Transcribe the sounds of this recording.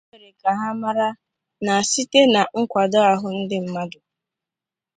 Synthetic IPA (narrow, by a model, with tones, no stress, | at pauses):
e˨ɾe˨ka˨ɦa˦ma˦ɾa˦ | na˨si˦te˦na˨ŋ̩˦kʷa˨dɔ˦a˨ɦʊ˨n̩˦dɪ˦m̩˦ma˦dʊ˨